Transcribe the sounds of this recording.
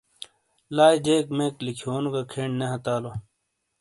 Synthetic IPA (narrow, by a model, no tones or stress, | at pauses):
laːjd͡ʑeːkmeːklikʰioːnuɡakʰeːɳneɦɐt̪aːloː